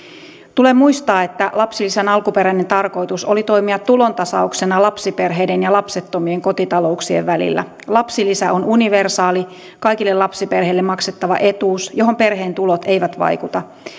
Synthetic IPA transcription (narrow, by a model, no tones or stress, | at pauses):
t̪ule̞mːujst̪ɑːe̞t̪ːælɑpsilːisenɑlkupe̞ɾæine̞nt̪ɑrko̞jt̪uso̞lit̪o̞imiɑt̪ːulo̞nt̪ɑsɑukse̞nɑlɑpsipe̞rɦe̞jde̞njɑlɑpse̞t̪ːo̞mie̞ŋko̞t̪it̪ɑlo̞uksie̞̰ʋʋælḭlːæ̰ | lɑpsilisæʔo̞nuniʋe̞rsɑːli | kɑjkilːe̞lɑpsipe̞rɦe̞ilːe̞mːɑkse̞t̪ːɑʋɑ̰ʔe̞t̪uːsjo̞ɦo̞mpe̞rɦe̞ːnt̪ulot̪e̞jʋæt̪ʋɑ̰jkut̪ɑ